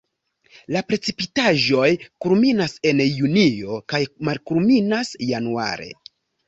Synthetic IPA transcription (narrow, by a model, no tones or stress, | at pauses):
lapɾe̞t͡sipitaʒo̞jkulminase̞njunio̞kajmalkuɾminasjanua̰ɾe̞̰